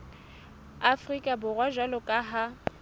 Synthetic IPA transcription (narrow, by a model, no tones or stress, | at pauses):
afrikʼabʊrwaʒwalʊkʼaɦa